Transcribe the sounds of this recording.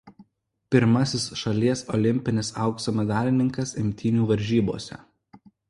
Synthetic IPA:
pʲɪɾmɐsʲɪsʃɐlʲiɛsɔlʲɪmʲpʲɪnʲɪsɐˑʊkst̪omʲɛd̪ɑːlʲɪnʲɪŋkɐsɪmʲt̪ʲɪnʲuːʋɐɾʲʒʲiːboːsʲɛ̰

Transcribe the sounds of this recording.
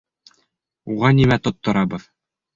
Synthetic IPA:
uʁɑnimæt̪ŏt̪ːŏɾɑbɤð

